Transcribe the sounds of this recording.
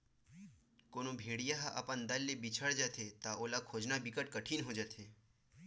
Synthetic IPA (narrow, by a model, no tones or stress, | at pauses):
konobʱeɽijaɦaʔə̰pənd̪əlːebit͡ʃʰəɽd͡ʒat̪ʰet̪aʔolakʰod͡ʒnabikəʈ̚kəʈʰiːnɦod͡ʒat̪ʰe